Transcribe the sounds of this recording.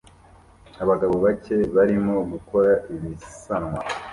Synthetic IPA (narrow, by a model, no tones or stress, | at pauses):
aβaɡaβoβace̞βaɾimo̞ɡuko̞ɾaiβisanŋwa